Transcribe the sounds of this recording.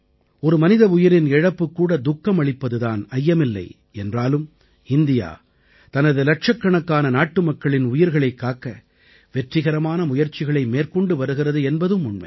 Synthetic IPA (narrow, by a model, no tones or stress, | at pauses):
ɔɾɯmɐnɪðɐʊjɪɾɪnɛɻɐpːɯkːuːɽɐd̪ʊkːɐmɐɭɪpːɐðɯðaːnɐjːɐmɪlːɐ̰ɪ | ɛndraːlɯm | ɪnd̪ɪja̰ː | t̪ɐnɐðɯlɐʈ̚ʂɐkːɐɳɐkːaːnɐnaːʈːɯmɐkːɐɭɪnʊjɪɾɣɐɭɐɪkːaːkːɐ | ʋɛʈrɪɣɐɾɐmaːnɐmʊjɐɾt͡ʃːɪɣɐɭɐɪmeːrkɔɳɖɯʋɐɾɯɣɪrɐðɯɛnbɐðɯmːʊɳmɐ̰ɪ